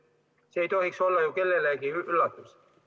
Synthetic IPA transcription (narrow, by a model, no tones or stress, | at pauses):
seejt̪ohiksolːɑjokelːelækiyʔylːæt̪ːus